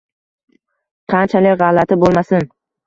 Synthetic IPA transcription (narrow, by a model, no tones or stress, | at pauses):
qʰɑnt͡ʃʰalɪkʲʁɑlːat̪ʰɪbolˠmasɪn